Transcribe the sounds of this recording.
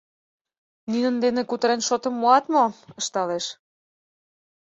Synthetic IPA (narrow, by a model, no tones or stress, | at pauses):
nynə̆nd̪enekut̪əɾenʃot̪ə̆mːoɑt̪moə̆ʃt̪ɑleʃ